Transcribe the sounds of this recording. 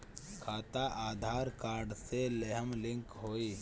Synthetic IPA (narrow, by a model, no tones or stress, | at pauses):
kʰaːt̪aʔaːd̪ʱaːɾkaːɾɖseleɦəmlɪ̃ŋkɦoːiː